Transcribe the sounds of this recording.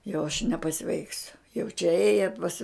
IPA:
jɛʊ ɐʃ nʲɛpɐˈsʲʋʲɛɪksʲʊ jɛʊ t͡ʃʲɛ ˈeːjɛ pɐs

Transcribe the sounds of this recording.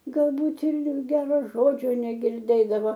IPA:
ɡɐlˠˈbuːt ɪr ˈɡʲæːroː ˈʒoːd͡ʒʲoː nʲɛɡʲɪrʲˈdʲeːdɐʋoː

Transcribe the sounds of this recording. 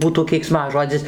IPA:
ˈbuːtuː kʲɛɪkˈsmɑːʒoːd͡zʲɪs

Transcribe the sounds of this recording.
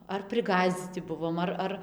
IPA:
ɐr pʲrʲɪˈɡɑːzʲd͡zʲiːt͡sʲɪ ˈbʊʋoːm ˈɐr ˈɐr

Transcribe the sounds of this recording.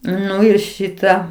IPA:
ˈnʊ ɪr ˈʃʲɪtɐ

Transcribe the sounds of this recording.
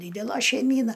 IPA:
ˈdʲiːdʲɛlˠɐ ʃʲɛɪˈmʲiːnɐ

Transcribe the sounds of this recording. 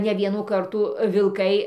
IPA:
nʲɛ ˈʋʲiɛnuː ˈkɐrtuː ʋʲɪlˠˈkɐɪ

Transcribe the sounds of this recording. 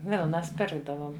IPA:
ˈʋʲɪlˠnɐs ˈpʲɪrɡdɐʋoːm

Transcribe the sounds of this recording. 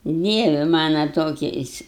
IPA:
ˈdʲiɛʋʲɪ ˈmɑːnoː ˈtoːkʲɛɪs

